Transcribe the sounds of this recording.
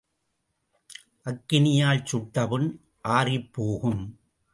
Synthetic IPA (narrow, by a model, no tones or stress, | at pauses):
ʔɐkːɪnɪjaːlt͡ʃʊʈːɐʋɯn | ʔaːrɪpːoːɣɯm